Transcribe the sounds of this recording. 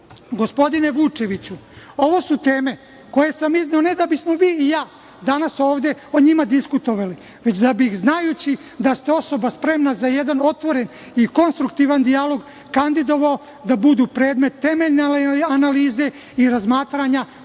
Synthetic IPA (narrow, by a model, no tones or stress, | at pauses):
ɡo̞spo̞d̪ine̞ʋut͡ʃe̞ʋit͡ɕuo̞ʋo̞sut̪e̞ːme̞ | ko̞je̞samizeone̞d̪abismo̞ʋiːijaː | d̪anaso̞ːʋd̪e̞o̞ɲimad̪iskut̪o̞ʋali | ʋe̞t͡ɕd̪abixznajut͡ɕi | d̪ast̪eo̞so̞baspɾe̞mnazajed̪ano̞t̪ʋo̞ɾe̞n | iko̞nst̪ɾukt̪iʋand̪ialo̞ɡ | kand̪id̪o̞ʋao | d̪abud̪uːpɾe̞ːd̪me̞t̪ːe̞me̞ʎneanaliːze̞ | iɾazmaːt̪ɾaɲa